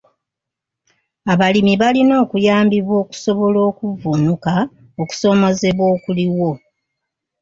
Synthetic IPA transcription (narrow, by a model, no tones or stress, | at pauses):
aβalimiβalino̞ːkujaːmbiβwo̞ːku̥so̞βo̞lo̞ːkuvunuka | oku̥so̞mo̞ze̞βwoːkuliwo̞